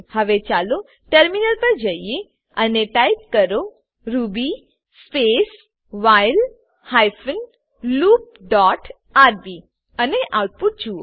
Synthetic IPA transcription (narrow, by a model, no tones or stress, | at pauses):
həʋet͡ʃalo | ʈəɾminəlpəɾd͡ʒəie | əneʈaip̚kəɾo | ɾubi | spes | ʋajl | hajfən | luːp̚ɖɔʈ | aɾbi | əneʔauʈ̚puʈ̚d͡ʒuo